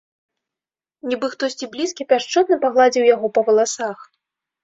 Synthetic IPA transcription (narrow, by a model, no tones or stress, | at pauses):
nʲibɨxt̪ɔsʲt͡sʲiblʲiskʲipʲaʂt͡ʂɔt̪nɨpaɣlˠad͡zʲiwjaɣɔpɐvɐlˠasax